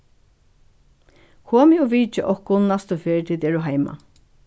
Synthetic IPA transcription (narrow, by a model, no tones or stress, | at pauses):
kʰoːmɪɔʋiːt͡ʃɪʔɔhkʊnnast̪ʊfeːɹt̪ʰiːt̪ɛːɹʊɦajma̰